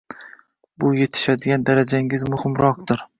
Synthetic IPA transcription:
bʊje̞t̪ʰɪ̥ʃad̪ɪɡʲand̪aɾad͡ʒaɪŋʲɪzmʊhɪmɾɒq̚d̪ɪɾ

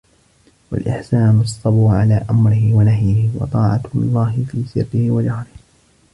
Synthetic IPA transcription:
wa̰lʔɪ̰ħsaːnʊɑsˤːɑbɾʊʕalaːʔamɾɪhɪwanaɦjɪhɪwɑ̰t̪ˤɑːʕalˤːɑːɦɪfiːsɪɾːɪhɪwad͡ʒahɾɪh

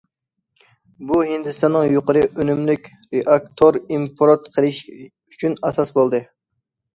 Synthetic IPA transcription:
buhind̪ɨst̪ɑnːɨŋjoqəɾɨʔønymlykʲ | ɾeʔɑk̚t̪ʰoɾimpʰɾot̪qʰəlˠɪʃ | yt͡ʃʰynɑsɑsbolˠd̪ɨ

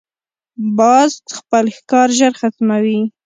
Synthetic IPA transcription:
bɑzxpəlxkɑɾʒəɾxat̪mawi

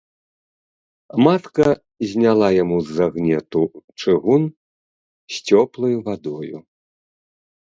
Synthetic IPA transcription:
mat̪kɐ | zʲnʲalˠajamuzːaɣnʲɛt̪ut͡ʂɨɣun | sʲt͡sʲɔplˠɐjuvad̪ɔjṵ

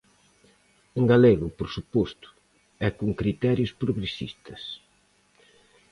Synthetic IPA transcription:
eŋɡaleɣʊpoɾsupost̪ʊ̥ | ɛkuŋkɾit̪ɛɾjʊspɾoɣɾesḭst̪ɐs

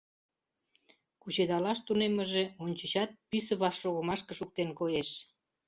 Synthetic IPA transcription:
kut͡ɕed̪ɑlɑʃt̪uneməʒeonʲt͡ɕə̆ɕɑt̪̚pysə̆βɑʃːoɣəmɑʃkə̆ʃuk̚t̪enkojeʃ

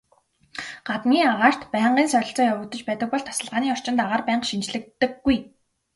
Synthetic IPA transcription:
ɢ̥at̪miːaʁaːr̥t̪pæːɴɢiːnsœɾʲɪ̆ɬt͡sɔːjawʊ̆ːt̪ə̆t͡ɕpæːt̪ə̆k̚pɔɮt̪ʰḁsə̆ɮʁaːniːɔr̥t͡ɕɪ̆nt̪aʁaːrpæːɴqʃint͡ɕɮɘ̆kt̪ːɘ̆ɡɡuj

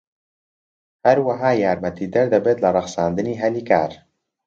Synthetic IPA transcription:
hɛɾwaɦaːjaːɾmɛt̪iːd̪ɐɾd̪ɐbeːt̪lɐrˤɨχsaːnd̪ɨniːɦɛliːka̰ːɾ

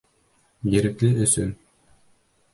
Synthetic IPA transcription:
jɘ̆ɾɘ̆klɘɵ̆sɵ̰n

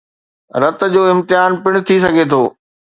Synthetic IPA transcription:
ɾɐt̪̆d͡ʑoːɪ̃mt̪ɪaːnpɪɽ̃ʊ̆t̪ʰis̬ɐɡʱet̪ʰoː

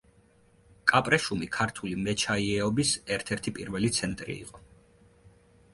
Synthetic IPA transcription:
kʼapʼɾɛʃumikʰaɾt̪ʰulimɛt͡ʃʰaiɛɔbisɛɾt̪ʰɛɾt̪ʰipʼiɾvɛlit̪sʰɛnt̪ʼɾḭḭqʼɔ

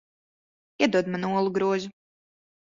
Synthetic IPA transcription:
iɛd̪uɔd̪manuɔlˠuɡɾuɔzu

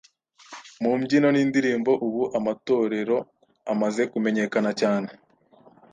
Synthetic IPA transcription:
mumɟino̞niːndiɾiːmbo̞ʔuβuʔamato̞ːɾe̞ɾo̞ | amaze̞kume̞ɲe̞kanacaːne

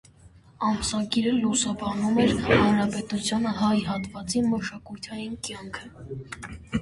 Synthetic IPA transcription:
ɑmsɑɡiɾəlusɑbɑnumɛɾhɑnɾɑpɛt̪ut͡sʰjɑnəhɑjɦɑt̪vɑt͡siməʃɑkujt̪ʰɑjinkjɑŋkʰə

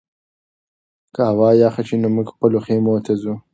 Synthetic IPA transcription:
kaawɑːjɑːxat͡ʃinomuɡxpəloxemoːt̪ʰazu

